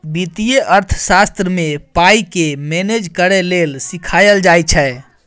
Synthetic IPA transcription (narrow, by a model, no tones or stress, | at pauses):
bit̪ijeʔəɾt̪ʰsast̪ɾəmepaikemened͡ʒkəɾɛlelsikʰajəld͡ʒajt͡ʃʰɛ